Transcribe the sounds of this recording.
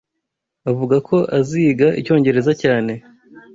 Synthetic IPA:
avuɡakʰo̞ʔaziːɡaʔḭco̞ːɲɟe̞ɾe̞zacaːne̞

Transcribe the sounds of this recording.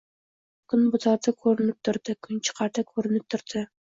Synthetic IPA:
kɵnbut̪ʰɑt̪əkʰʉɾɘ̆nɘp̚t̪ʰʊ̆ɾd̪ɤkʰɵnt͡ʃʰə̥qɑɾt̪akʰʉɾɘ̆nɘp̚t̪ʰʊ̆ɾd̪ɤ

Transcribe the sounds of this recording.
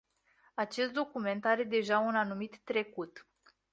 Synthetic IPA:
at͡ʃe̞st̪̚d̪o̞kume̞nt̪aɾe̞d̪e̞ʒaunanumit̪ːɾe̞kut̪

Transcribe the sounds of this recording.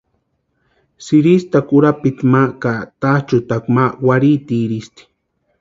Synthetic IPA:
siɾist̪akuɾapit̪makat̪at͡ʃut̪akmawaɾit̪iɾist̪i̥

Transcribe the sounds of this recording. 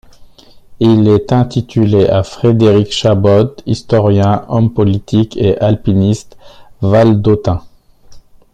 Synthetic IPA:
ilɛt̪ɛ̃t̪it̪ʰyleʔafχed̪eʁikʃabɔt̪ist̪ɔʁjɛ̃ɔmpɔlit̪ikeʔalpinist̪vald̪ot̪ɛ̃

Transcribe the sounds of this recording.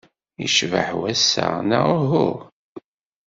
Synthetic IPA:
ḭʃvə̰ħwæsːa̰naʁɦʊɾ

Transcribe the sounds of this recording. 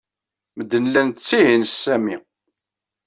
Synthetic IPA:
məd̪ːənlːænt͡sːihinsːæmi

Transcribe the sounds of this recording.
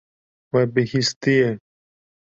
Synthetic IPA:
wɛbɪhist̪ije

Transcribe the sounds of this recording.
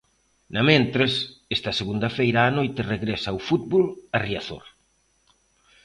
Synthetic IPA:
nɐmẽnt̪ɾesest̪ɐseɣund̪ɐfejɾaːnojt̪ɪreɣɾesawfut̪̚βolɐriaθo̰ɾ

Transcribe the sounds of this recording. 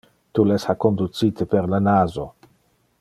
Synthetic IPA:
t̪ulɛshakːond̪usiːt̪epeɾlanaːzo

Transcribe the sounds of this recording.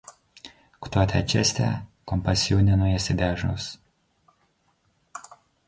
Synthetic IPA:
kt̪ɔt̪ʲɛt͡ʃʲɛsʲt̪ʲɛ̰kɔmpɐsʲjuːnʲɛnʊjɛsʲɪd̪ʲæːʒno̰s

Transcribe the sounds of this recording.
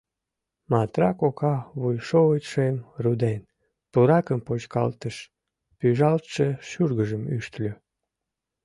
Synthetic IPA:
mɑt̪rɑkokɑβujʃout̪ʃemrud̪en | puɾɑkəmpot͡ɕkɑ̰lt̪əʃ | pyʒɑlt̪ʃeʃyrɣəʒəmyʃt̪lʲø

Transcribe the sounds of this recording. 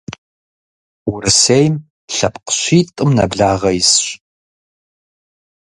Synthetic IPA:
wʊɾɨsejm | ɬɐpqə̥ɕʷiːtʼɨmnɐ̰bɮaːʁɐjɪsɕ

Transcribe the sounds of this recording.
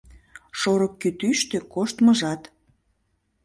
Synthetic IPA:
ʃoɾəkːyt̪yʃt̪økoʃt̪məʒɑt̪

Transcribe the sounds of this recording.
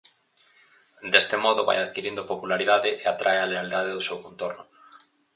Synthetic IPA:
d̪est̪emɔðʊβa̰jaðkiɾind̪opopulaɾiðaðɪʔeat̪ɾʔaealeald̪aðɪðʊsewkõnt̪oɾnʊ

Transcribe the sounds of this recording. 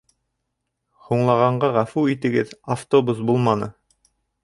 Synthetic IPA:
huɴlˠɑʁɑɴɢɑʁæfuit̪ɘ̆ɡɘðaft̪obusbulˠmɑnɤ

